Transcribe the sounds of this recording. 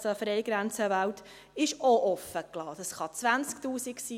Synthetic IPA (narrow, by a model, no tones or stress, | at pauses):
soəfɾɛɪjɡɾænt͡səʋæwt | ɪʃoʔɔfːəklɑːd̥ɑsχɑt͡sʋænt͡sktuːsiksiː